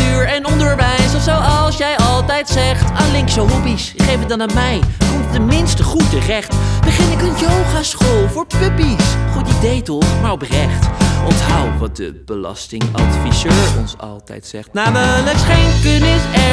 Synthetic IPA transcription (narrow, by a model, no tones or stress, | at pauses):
yːɹɛnɔndəɹʋɛjsəsowɑlˠsjɛjʔɑlˠtɛjtsɛχtaːnlɪŋksəɦɔbisɪχejfədɑnamɛjkumttənmɪnstəχutərɛχtbəχɪnɪkənjowχasχoːlˠfʊːɹpʋøbisχutidejtɔχmaːɹɔprɛχtʔɔntɦa̰wʋɑt̚də̰b̥əlɑ̰stɪŋɑ̰tfizøːɹɔ̰nsɑ̰lˠtɛ̰jtsɛ̰χtnaːmələkχejnkənɪsɛ